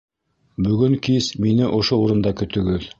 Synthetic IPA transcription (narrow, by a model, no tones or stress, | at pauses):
bɵ̆ɡɵŋkisminɘʔŏʃouɾɤ̆nd̪ɑkɵ̆t̪ɵ̆ɡɘð